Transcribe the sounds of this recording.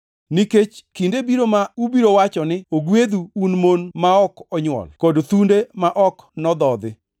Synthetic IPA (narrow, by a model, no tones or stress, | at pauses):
niket͡ʃkindebiɾomaubiɾowat͡ʃɔnɪoɡwed̪uːnmonmaɔkɔɲwɔ̰lkodt̪undemaʔɔknɔd̪ɔd̪ɪ